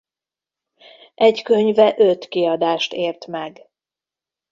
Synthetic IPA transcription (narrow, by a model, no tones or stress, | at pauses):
ʔɛɟkøɲvɛʔøt̪kiɒd̪aːʃt̪eːrt̪mɛɡ